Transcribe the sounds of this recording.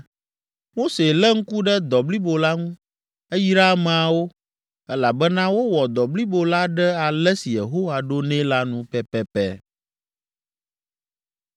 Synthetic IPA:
mo˦se˨lɛ˦ŋ̩˦ku˦ɖɛ˦d̪ɔ˨bli˦bo˨la˦ŋũ˦ | ɛ˦ji˦ɾa˦m˨a˨wo˦ | ɛ˦la˨bɛ˦nã˦wo˦wɔ˨d̪ɔ˨bli˦bo˨la˦ɖɛ˦a˨lɛ˦si˨je˨ɦo˦wa˨ɖo˦nɛ̃˦la˦nũ˦pɛ˦pɛ˦pɛ̰˦

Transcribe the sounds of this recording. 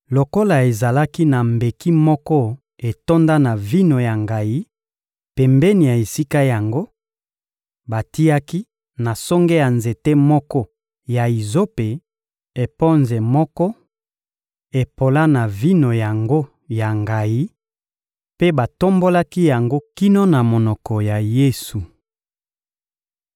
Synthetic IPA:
lo˨ko˦la˨e˨za˨la˦ki˦na˨mbe˨ki˦mɔ˦kɔ˦ | e˨to˦nda˦na˨vi˦no˨ja˨ŋɡa˨ji˦ | pɛ˨mbɛ˦ni˨ja˨e˨si˦ka˦ja˨ŋɡo˦ | ba˨ti˦a˦ki˦ | na˨sɔ˦ŋɡe˦ja˨nze˨te˦mɔ˦kɔ˦ | ja˨i˨zo˦pe˨ | e˨pɔ˦nzɛ˨mɔ˦kɔ˦ | e˨po˨la˦na˨vi˦no˨ja˨ŋɡo˦ | ja˨ŋɡa˨ji˦ | pe˦ba˨to˦mbo˦la˦ki˦ja˨ŋɡo˦ki˦no˦na˨mo˨nɔ˨kɔ˨ja˨je˦su˨

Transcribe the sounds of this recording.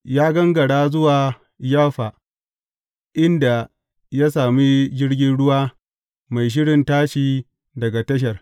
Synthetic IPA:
jaː˦ɡɐ˦ŋɡɐ˨ɽaː˦zʊ˦waː˨ | jaː˦ɸa˨ | ʔɪ˦nda˨ | ja˦s̬aː˨miː˦d͡ʒɪ˦rɡʲɪ˦nɽʊ˦waː˦ | ma˨jʃ̬ɪ˦ɽɪ˨ntaː˦ʃiː˨ | dɐ˨ɡa˨tɐ˦ʃ̬ɐ˨r

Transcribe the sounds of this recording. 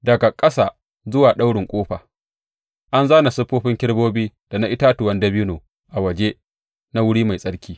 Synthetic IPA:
dɐ˨ɡa˨kʼɐ˦saː˨ | zʊ˦waː˨ɗa˦wɽɪ˨ŋkʷʼoː˦ɸaː˨ | ʔa˦nzaː˦na˨sʊ˦ɸoː˦ɸɪ˦ŋkʲɪ˦ɽboː˦biː˦d̥a˨na˦ʔɪ˦taː˦tʊ˨wɐ˦ndɐ˦biː˦noː˨ | ʔa˨wɐ˨d͡ʒe˦ | na˦wʊ˦ɽiː˦ma˨jsʼɐ˦ɽkʲʰiː˦

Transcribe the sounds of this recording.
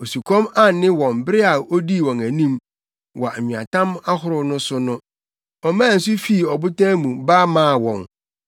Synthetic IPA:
o˨su˨kʰɔ̃˦ma˦˨nɪ̃˦wɔ̃˨mbɾɪ˦a˨o˦di˦˨wɔ̃˨næ˨nĩ˦m | wɔ˨ɲĩ˨a̰˨tʰã˦ma˦hʊ˦ɾʊ˦nʊ̃˦sʊ˦nʊ̃˦ | ɔ˨mãː˦˨n̩˨s̬ʊ˦fi˦˨ɔ˨bʊ˦tʰãː˦mũ˨ba˦mãː˦˨wɔ̃˨ŋ

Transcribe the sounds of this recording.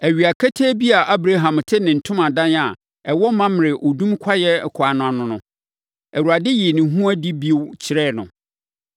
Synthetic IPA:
æ˨ɥi˨a˨kʰæ˦tʰeː˦bi˦a˨ʔa˦bɾa˦ɦã˨mtʰɪ˦nɪ̃˨n̩˨tʰʊ̃˦mã˨dã˦na˨ | ɛ˨wɔ˦mã˦m˨ɾɪ˨ʔo˨dũ˦mkʷʰa˦jɛ˦˨kʰʊ˨a˨nʊ̃˨˦a˨nʊ̃˨nʊ̰̃˦ | æ˨wu˨ɾa˨dɪ˦ji˨nɪ̃˨ɦũ˦a˦di˦bi˦wt͡ɕʰɪ˨ɾɛ˦˨nʊ̃˨

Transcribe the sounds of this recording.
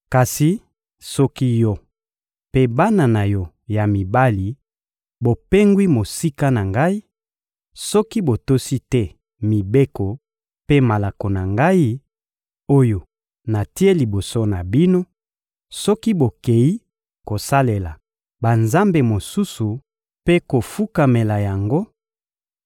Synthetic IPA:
ka˨si˨ | sɔ˦ki˦jɔ˦ | pe˦ba˦na˨na˨jɔ˦ | ja˨mi˨ba˦li˨ | bo˨pe˦ŋɡwi˦mo˨si˦ka˦na˨ŋɡa˦i˦ | sɔ˦ki˦bo˨to˦si˦tɛ˦ | mi˨be˦kɔ˨ | pe˦ma˨la˨ko˨na˨ŋɡa˦i˦ | o˦jo˨ | na˨ti˦e˦li˨bo˨so˦na˨bi˦no˦ | sɔ˦ki˦bo˨ke˨ji˦ | ko˨sa˦le˨la˨ | ba˨nza˦mbe˨mo˨su˦su˨ | pe˦ko˨fu˦ka˨me˨la˨ja˨ŋɡo˦

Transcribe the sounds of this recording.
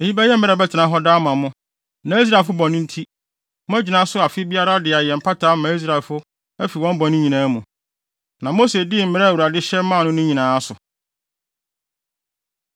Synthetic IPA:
e˨hi˦bɛ˦jɛ˦mɛ̃˦ɾɛ˨bɛ˦tʰɪ˨nã˨˦ɦɔ˦daː˦mã˨mʊ̃˦ | nã˨˦i˦s̬ɾa˨fʊ˦bɔ̃˨nʊ̃˦n̩˦tʰi˦ | mʊ̃˦æ˦d͡ʑi˨nã˨˦sʊ˦a˨fɪ˦bi˦a˦ɾa˦dɪ˨a˨jɛ˨m̩˨pʰa˦tʰaː˦mã˨˦i˦s̬ɾa˨ɛ˨lfʊ˦ | æ˦fi˨wɔ̃˦m˦bɔ̃˨nʊ̃˦ɲĩ˨nãː˦mũ˨ | nã˨mo˦se˨dɪ˦˨m̩˨mɪ̃˦ɾɛ˦˨u˨ɾa˨dɪ˦ɕɛ˦m̩˦mã˦˨nʊ̃˦nʊ̃˦ɲĩ˨nãː˨˦a˦sʊ˨

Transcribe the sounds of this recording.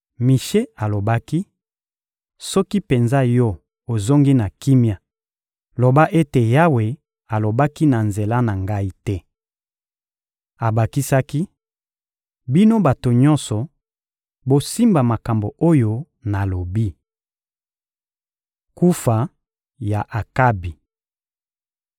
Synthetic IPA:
mi˨ʃe˦a˨lo˨ba˦ki˦ | sɔ˦ki˦pe˨nza˦jɔ˦ | o˨zo˦ŋɡi˦na˨ki˦mja˨ | lo˨ba˦ʔe˦te˨ja˦we˨ | a˨lo˨ba˦ki˦na˨nze˨la˦na˨ŋɡa˦i˦tɛ˦ | a˨ba˨ki˦sa˦ki˦ | bi˦no˦ba˨to˨ɲɔ̃˦nsɔ˨ | bo˦si˦mba˨ma˨ka˨mbo˨o˦jo˦ | na˨lo˨bi˦ | ku˦fa˨ | ja˨ʔa˨ka˦bi˨

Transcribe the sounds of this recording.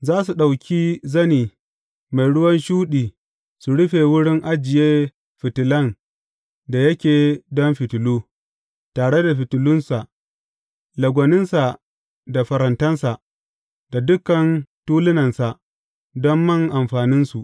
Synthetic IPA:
zaː˦su˨ɗa˨wkʲiː˦zɐ˦niː˨ | ma˨jɽʊ˦wɐ˦nʃuː˦ɗiː˨ | su˨ɽʊ˦ɸe˨wʊ˦ɽɪ˦ŋʔa˦d͡ʒɪ˨jeː˦ | ɸɪ˨tɪ˨lɐ˦n | da˨jɐ˦kʲeː˨dɔ˦mɸɪ˨tʊ˨luː˦ | taː˨ɽe˦da˨ɸɪ˨tʊ˨lʊ˦nsa˨ʔ | lɐ˨ɡʷɐ˨nɪ˦nsa˨ | da˨ɸɐ˨ɾɐ˨ntɐ˦nsa˨ʔ | dd̥a˨dʊ˦kɐ˨ntuː˦lɪ˦nɐ˨nsa˨ʔ | dɔ˦mːɐ˦˨ŋʔa˨mɸaː˨nɪ˦nsu˨ʔ

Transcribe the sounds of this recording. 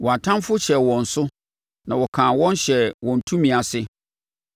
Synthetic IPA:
wɔ˨a˨tʰã˦mfʊ˦ɕɛ˨wɔ̃˨n̩˨sʊ˦ | nã˨wɔ˨kʰãː˨wɔ̃˦nɕɛ˨wɔ̃˨n̩˨tʰũ˦mĩ˨a˨sɪ˦

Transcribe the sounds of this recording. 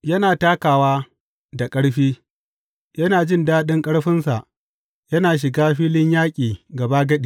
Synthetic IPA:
jɐ˦naː˨taː˦kaː˨waː˦ | da˨kʼɐ˦ɽɸiː˦ | jɐ˦naː˨d͡ʒɪ˦ndaː˦ɗɪ˦ŋkʼɐ˦ɽɸɪ˦nsa˨ʔ | jɐ˦naː˨ʃ̬ɪ˨ɡaː˦ɸiː˦lɪ˦ɲjaː˦kʲʼiː˨ɡɐ˨ba˦ɡɐ˦ɗiː˨

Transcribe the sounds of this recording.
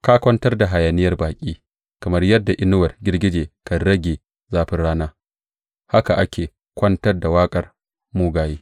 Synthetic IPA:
kaː˦kʷɐ˦ntɐ˦rda˨ɦa˨jaː˨nɪ˦jɐ˦rbaː˨kʲʼiː˦ | kɐ˨mɐ˦rjɐ˦dːa˨ʔɪ˦nʊ˦wɐ˨rɡʲɪ˦rɡʲɪ˦d͡ʒeː˨kɐ˨ɽɐ˦ɡʲeː˨ | zaː˦ɸɪ˦nɽaː˦naː˦ | ha˦ka˨ʔa˦kʲʰeː˨ | kʷɐ˦ntɐ˦rda˨waː˦kʼɐ˨r | muː˦ɡaː˨jeː˦

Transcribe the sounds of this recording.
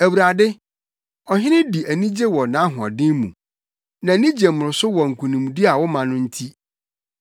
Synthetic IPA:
æ˨wu˨ɾa˨dɪ˦ | ɔ˨hɪ̃˦nɪ̃˦di˨ʔæ˨nĩ˦d͡ʑe˦wɔ˨nã˨˦ɦʊ˨ɔ̰̃˨dɪ̃˦mṵ̃˨ | nã˨nĩ˦d͡ʑe˨mʊ̃˨ɾʊ˨sʊ˦wɔ˨ŋ̩˨kʰũ˨nĩ˨m˨di˦a˨wɔ˦mã˨nʊ̃˦n̩˦tʰi˦

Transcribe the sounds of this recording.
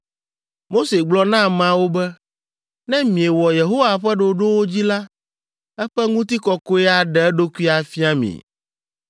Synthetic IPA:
mo˦se˨ɡ͡blɔ˦nã˦mã˨wo˦bɛ˦ | nɛ̃˦mĩ˨e˨wɔ˨je˨ɦo˦wa˨ɸɛ˦ɖo˨ɖo˦wo˦d͡ʑi˦la˦ | ɛ˦ɸɛ˦ŋũ˦t̪i˦kɔ˨ko˦ɛ˦a˨ɖɛ˨ɛ˦ɖo˦ku˦i˦a˨fi˦a˦mḭ̃˨

